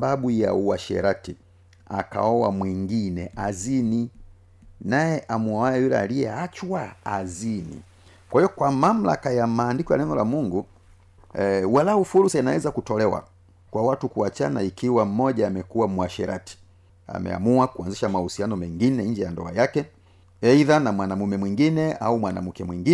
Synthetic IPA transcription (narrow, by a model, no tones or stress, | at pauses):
baɓuja̰uwaʃɛ̰ɾati | a̰ka̰ɔwamwiŋɡinɛʔazini | najɛʔamuawajajulɛ̰a̰lijɛat͡ʃwaazinḭ | kwahiɔkwamam̩la̰kajamaːndikɔja̰lɛŋɡɔlamuŋɡu | walaufuɾusainawɛzakutɔlɛwa̰ | kwawatukuat͡ʃa̰naikiwam̩mɔʄaːmɛkuwamwaʃɛɾa̰ti̥ | a̰mɛ̰a̰muakuanziʃamahusianɔmɛŋɡinɛɲd͡ʒɛjandɔ̰a̰jakɛ | ɛiðanamwanamumɛmwiŋɡinɛaumwana̰mukɛmwiŋɡi